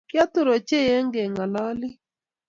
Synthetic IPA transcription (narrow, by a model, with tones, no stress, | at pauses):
kja˦t̪ʊ˦ɾo˨t͡ʃe˦je˦ŋɡe˨ŋa˨lɔ˦lɪ˦